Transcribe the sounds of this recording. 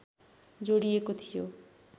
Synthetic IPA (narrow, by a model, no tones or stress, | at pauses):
d͡zoɽijekot̪ʰijo